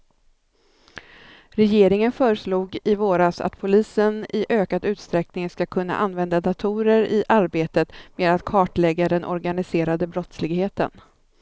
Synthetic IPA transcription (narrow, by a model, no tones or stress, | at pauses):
ɾɛjeːɾɪŋənfœːɾəʂluːɡɪvoːɾasa̰t̪pʰʊliːsənɪʔøːkad̪ʉ̟ːt̪st̪ɾɛknɪŋskakʰɵnːa̰ʔanvɛnd̪ad̪at̪ʰuːɾəɾɪʔaɾbeːt̪ət̪meːd̪at̪kʰɑːʈlɛɡːad̪ɛnʔɔ̰ɾɡanɪseːɾad̪əbɾɔt̪slɪɡheːt̪ə̰n